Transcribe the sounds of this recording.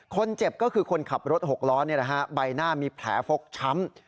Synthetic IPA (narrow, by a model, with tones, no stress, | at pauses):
kʰo˧nt͡ɕe˨˩p̚kɔː˥˩kʰɯː˧kʰo˧nkʰa˨˩p̚ɾo˦˥t̪̚ho˨˩k̚lɔː˦˥nːi˥˩ɐna˦˥kʰa˦˥ba˧jnaː˥˩miː˧pʰlɛ̰ː˩˦fo˦˥k̚t͡ɕʰa˦˥m